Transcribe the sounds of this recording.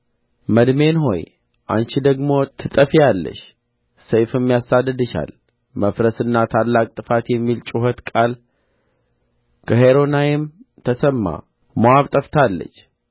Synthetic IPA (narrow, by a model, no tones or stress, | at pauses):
məd̪me̞nɦo̞̰j | ʔa̰nt͡ʃid̪əɡmo̞t̪ʰɨt̪ʼəfialːə̰ʃ | səjfɨmːjasad̪ːɨd̪ɨʃa̰l | məfɾəsɨnːat̪ʰalːakʼt̪ʼɨfat̪jɛmːilt͡ʃʼuhət̪kʼal | kʰəɦeɾo̞najɛmt̪ʰəsəmːa̰ | məwaβt̪ʼəft̪ʰalːə̰t͡ʃː